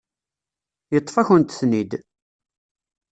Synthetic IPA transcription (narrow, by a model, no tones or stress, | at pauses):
jət̪ˤːfæçənt̪θnid̪